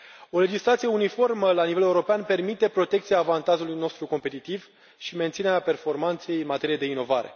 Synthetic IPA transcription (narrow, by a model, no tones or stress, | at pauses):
o̞le̞d͡ʒislat̪sije̞unifo̞rməlanivele̞uɾo̞peanpe̞rmit̪e̞pɾo̞t̪e̞k̚t̪siaːvant̪aʒulujno̞st̪ɾuko̞mpe̞t̪it̪iv | ʃiment̪sineɾape̞rfo̞rmant̪se̞jɨnmat̪e̞ɾijed̪e̞ino̞vaɾe̞̰